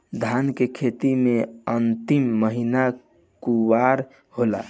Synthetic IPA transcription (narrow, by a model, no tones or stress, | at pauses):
d̪ʱankekʰet̪imeənt̪imːəɦina | kuwaɾ | hola̰